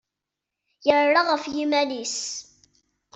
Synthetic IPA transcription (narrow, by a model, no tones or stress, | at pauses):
jəɾˤːɑʁəfjimælis